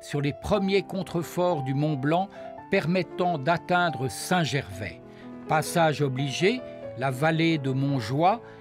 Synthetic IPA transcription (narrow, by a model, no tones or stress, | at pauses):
syʁlepχəmjekɔ̃t̪χəfɔʁd̪ymɔ̃blɑ̃pɛʁmɛt̪ɑ̃d̪at̪ɛ̃d̪ʁəsɛ̃ʒɛʁvɛ̰ | pasaʒɔbliʒelavaled̪əmɔ̃ʒwa